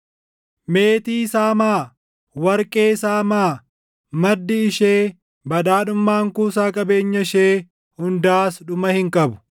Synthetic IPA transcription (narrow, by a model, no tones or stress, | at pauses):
meːt̪iːsaːmaː | wɐɾkʼe̞ːsaːmaː | mɐd̪ːɪɪʃeː | bɐᶑ̪aːᶑʊmːaːŋkuːsaːkʼɐbe̞ːɲːɐɪʃeː | hʊnd̪aːsᶑʊmɐhɪŋkʼɐbʊ̥